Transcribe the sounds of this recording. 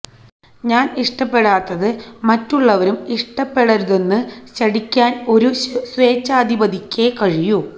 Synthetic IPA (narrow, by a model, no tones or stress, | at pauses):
ɲaːniʂʈɐpːe̞ɽaːt̪ːɐðɨmɐtːuɭːɐʋɐɾumiʂʈɐpːe̞ɽɐɾuðe̞nːɨɕɐɽikʲːaːno̞ɾusʋe̞ːt͡ɕːaːd̪ʱibɐd̪ʱikʲːekɐɻiju